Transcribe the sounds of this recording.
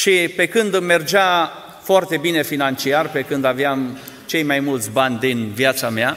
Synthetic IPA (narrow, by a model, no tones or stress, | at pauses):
ʃipe̞kɨnd̪me̞rd͡ʒa | foart̪e̞bine̞finant͡ʃiarpe̞kɨnd̪aveam | t͡ʃe̞jmajmult̪sʲbanʲd̪inviat̪samea